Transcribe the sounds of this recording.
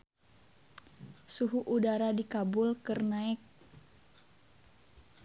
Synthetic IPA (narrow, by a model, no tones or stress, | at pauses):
suɦuʔudaɾadikabʊlkɨrnaɪk̚